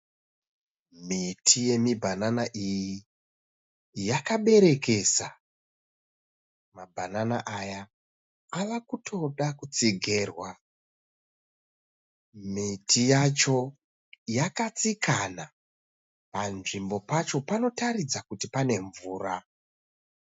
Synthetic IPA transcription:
mitʰije̞mibʱananaʔiji | jakaɓe̞ɾe̞ke̞sa | mabʱananaʔajaː | ʋakutʰo̞ɗakut͡siɡʱe̞rwa | mitʰijat͡ʃo̞ | jakat͡sikʰana | panʐimbo̞pat͡ʃo̞pano̞tarid͡zakutipane̞ɱvuːra

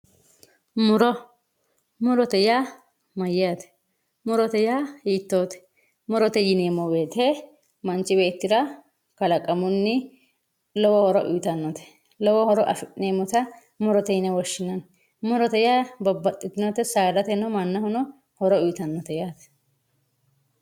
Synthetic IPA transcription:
mʊɾɔ | mʊɾɔt̪ɛjaː | mɐjːat̪ɛ̥ | mʊɾɔt̪ɛjaiːt̪ːoːt̪ɛ̥ | mʊɾɔt̪ɛjɪneːmɔbe̞ːt̪e | mɐnt͡ʃːɪbeːt̪ːɪɾɐ | kɐlɐkʼɐmʊnːɪ | lɔwɔhɔɾɔʔʊjt̪ɐnːɔt̪ɛ̥ | lɔwɔhɔɾɔʔɐ̰fɪʔneːmːɔt̪ɐ | mʊɾɔt̪ɛjɪnɛwɔʃːɪnɐn | mʊɾɔt̪ɛjabɔbːɐt̪ʼːɪt̪ːɪnɔt̪ɛsaːɾɐt̪ɛnɔmɐnːɐhʊnɔ | hɔɾɔʊjt̪ɐnːɔt̪ɛjaːt̪ɛ̥

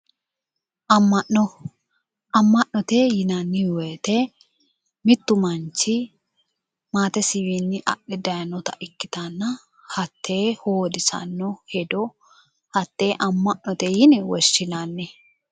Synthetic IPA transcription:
ʔɐmːɐʔɔ | ɐmːɐʔnɔt̪eːjɪnɐnːɪweːt̪ɛ | mɪt̪ːʊmɐnt͡ʃːɪ | maːt̪ɛsɪwinːɪʔɐ̰ɗɛd̪ɐjɐnɔt̪ɐʔɪkːɪ̥t̪ɐnːɐ | hɐt̪ʰːeːhoːd̪ɪsɐ̰nːɔhɛd̪ɔ | hɐt̪ːe̞ːʔɐmːɐʔnːɔt̪ɛjɪnɪwɔʃːɪnanːɛ

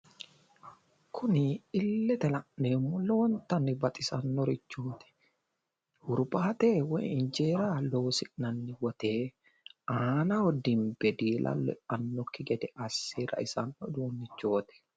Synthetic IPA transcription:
kʰːʊnɪɪlːɛt̪ɛlɐʔneːmːʊlːɔwɔnt̪ɐnːɪbɐt̪ʼɪsɐnːɔɾɪt͡ʃːoːt̪ɛ̥ | hʊɾbaːt̪eːwɛ̰ɪɲd͡ʒeːɾaloːsɪnɐnːɪwɔt̪eː | ʔaːnɐɔd̪imbɛd̪iːlʔɐ̰lɛ̰ɐnːɔkːɪɡɛd̪ɛʔɐsːiːɾɐ̰ʔɪsɐnːɔd̪uːnːɪt͡ʃːoːt̪ɛ̥

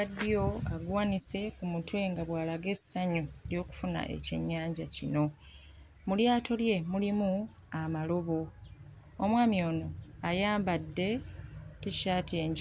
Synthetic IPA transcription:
adːijo̞aɡwaːnise̞kumutwe̞ŋɡaβwaːlaɡe̞saɲoeljo̞ːku̥funa̰ʔḛcḛɲːaːɲɟacino̞ | muljaːto̞lje̞mulimu | amalo̞βo̞ | omwaːmio̞ːno̞ajaːmbadːe̞tiʃaːtʰieɲ

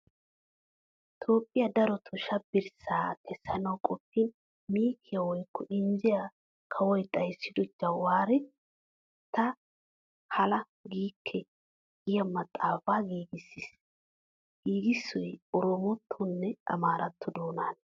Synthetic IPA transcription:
t̪ʰo̞ːpʼːɪjɐd̪ɐɾɔt̪ʰʊʃɐbɪɾsaːkʰɛsːɐnɐwkʼɔpːɪn | miːkʰːɪjɐwɔjkːɔʔɪnzɪja | kʰɐwɔjt̪ʼɐjsːɪd̪ɔd͡ʒɐwaːɾɛ | t̪ɐ | hɐlɐ | ɡiːkʰːɛ | ɡɪjɐmɐt̪ʼːaːfaːɡiːɡɪsːis | ɡ̥iːɡɪsːɔjɔɾɔmɔt̪ʰːʊnːɛʔɐ̰maːɾɐt̪ʰːɔd̪o̞ːnaːn

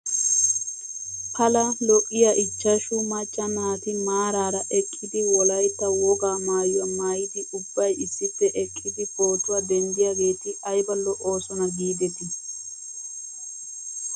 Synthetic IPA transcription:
kʰɐlɐlɔʔʼɪjɐʔɪt͡ʃːɐʃʊmɐt͡ʃʼːɐnaːt̪ɪmaːɾaːɾɐʔɛkʼːɪd̪ɪwɔlɐjt̪ːɐwɔɡaːmaːjɐmaːjɪd̪ɪʔʊbːɐjɪsːɪt̪ːɛʔɛkʼːɪd̪ɪbo̞ːt̪ʊwɐd̪ɛnd̪ɪjaɡe̞ːt̪ɪɐjbɐlːɔʔo̞ːsɔnɐɡiːd̪ɛt̪ɪ

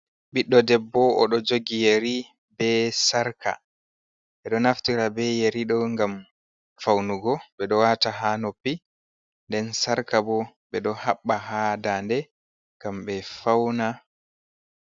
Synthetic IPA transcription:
ɓiɗːɔdɛbːɔʔɔɗɔd͡ʒoɡijeɾi | bɛsaɾkʰa̰ | ɓɛɗɔnaftiɾabɛjeɾiɗɔŋɡam | fawnuɡɔɓɛɗɔwataɦanopːi | ndɛnsaɾkabɔɓɛɗɔhaɓːaɦadandɛ | ŋɡamɓɛfawna

